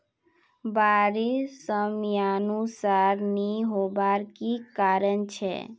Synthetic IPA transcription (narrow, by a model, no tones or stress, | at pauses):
baɾisəmjanusaɾniɦobaɾkikaɾənt͡ʃʰɛ̰